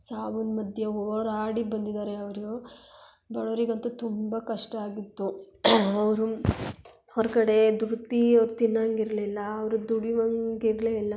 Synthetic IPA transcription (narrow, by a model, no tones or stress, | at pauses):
saːʋunmɐd̪ʱjɐɦɔɾaːɽibɐnd̪id̪aːɾeɐʋɐɾiɡo | bɐɭɐʋɐɾiɡɐnt̪ɐt̪umbɐkɐʂʈɐaːɡit̪ːu | ɐʋɐɾu | hɔɾkɐɽe̞d̪uɾt̪iɐʋɾut̪inːɐŋɡiɾɐlilːɐːʋɐɾud̪uɽiʋɐŋɡiɾleilːɐ